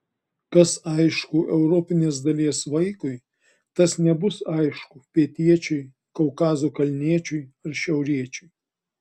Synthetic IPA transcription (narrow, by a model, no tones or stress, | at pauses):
kɐsɐɪʃkʊʔɛʊɾɔpʲɪnʲeːsd̪ɐlʲiɛsʋɐɪkʊɪ | t̪ɐsnʲɛbʊsɐɪʃkʊpʲiɛt̪ʲiɛt͡ʃʲʊɪ | kɔʊkɑːzokɐlʲnʲiɛt͡ʃʲʊɪɐɾʃʲɛʊɾʲiɛt͡ʃʲʊɪ